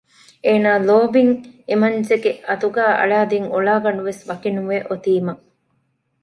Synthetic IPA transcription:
eːnaːloːbiŋemɐnd͡ʒeɡeʔɐt̪uɡæːʔɐ̰ɭaːd̪iŋoɭaːɡɐnuʋesʋɐkinuʋeʔot̪iːmɐ

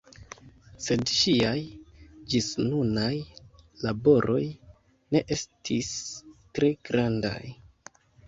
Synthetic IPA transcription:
se̞dʃiajd͡ʒisnunajlabo̞ɾʔo̞j | ne̞ʔe̞stʰistɾe̞ɡ̥ɾanda̰j

